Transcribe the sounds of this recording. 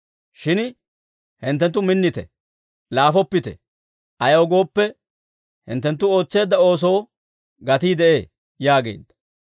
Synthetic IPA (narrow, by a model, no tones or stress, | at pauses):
ʃɪn | hɪnt̪ːɛnt̪ːʊmɪnːɪt̪ɛ̰ | laːfɔpːɪt̪ɛ̰ | ʔɐjowɡo̞ːpːɛ | hɪ̰nt̪ːɛnt̪̬ːʊo̞ːt͡sːe̞ːd̪ːɐo̞ːs̬o̞ː | ɡɐt̪iːd̪ɛʔe̞̰ː | jaːɡe̞̰ːd̪ːɐ̥